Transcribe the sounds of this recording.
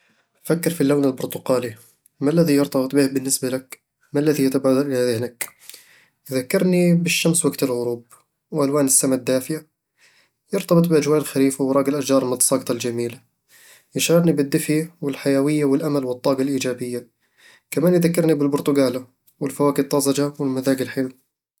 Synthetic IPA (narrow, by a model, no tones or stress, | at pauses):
fakːɪɾfilːawnalbʊɾt̪ʊqɑːli | malːaðijʊɾt̪ˤɑbɨt̪ˤbɪhbɪnːɪsbalak | malːaðijat̪abaːd̪ɑɾʔaðɪhnak | jðakːɪɾnibɪʃːamswaɡt̪ɪlɣʊɾuːb̚ | wʔalwaːnɪsːamad̪ːaːfɪja | jɑɾt̪ˤɑbɨt̪ˤbɪʔad͡ʒwaːʔlxaɾiːfawɾˤɑːɡɪlʔaʃd͡ʒɑːɾˤmɪnɨsˤɑːɡt̪ˤɑld͡ʒamiːla | jɪʃaɣɑdnibɪd̪ːɪfjwɪlħajawɪjːawɪlʔamalwɨt̪ˤːɑːɡɑlʔiːd͡ʒaːbɪjːa | kamaːnjðakːɪɾnibɪlbʊɾt̪ʊɡaːla | wɪlfawaːkɪt̪ˤːɑzˤɑd͡ʒawɪlmaðaːɡɪlħe